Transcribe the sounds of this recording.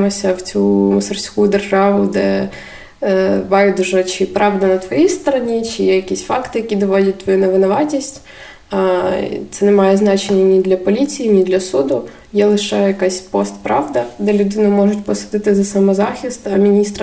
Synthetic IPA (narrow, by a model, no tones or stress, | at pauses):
mɔsʲɐwt͡sʲumɔsɐrsʲkujʊd̪erʒɑʋʊd̪ɛ | bɑjʊd̪ʒɛt͡ʃɪpɾɑʋd̪ɐnɐt̪ʋɔjijst̪ɔɾɔnʲit͡ʃɪjɛjɐkʲisʲfɑkt̪ɪjɐkʲid̪ɔʋɔdʲɛt̚ʲt̪ʋɔjunɛʋɪnɔʋɑtʲisʲtʲ | t̪sɛnɛmɑjɛznɑt͡ʃenʲːɐnʲid̪lʲɐpɔlʲit͡sʲijinʲid̪lʲɐsud̪ʊ | jɛlˠɪʃɛjɐkɑsʲpɔst̪pɾɑʋd̪ɐd̪ɛlʲʊd̪ɪnʊmɔʒʊtʲpɔsɪd̪ɪt̪ɪzɐsɐmɔzɑxʲist̪ɐmʲinʲist̪ɾɐ